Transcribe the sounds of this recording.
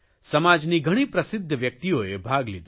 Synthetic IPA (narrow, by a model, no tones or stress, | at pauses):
səmad͡ʒniɡʱəɽ̃ipɾəsɪd̪ʱːəʋjək̚t̪ioebʱaɡlid̪